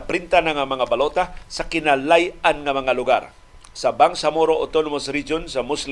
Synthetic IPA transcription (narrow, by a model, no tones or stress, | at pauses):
pɾɪnt̪anaŋamɐŋabalot̪asɐkɪnalajanŋɐmɐŋalʊɡa̰ɾ | sɐbaŋsamoɾoʔot̪onomosɾid͡ʒonsɐmʊsl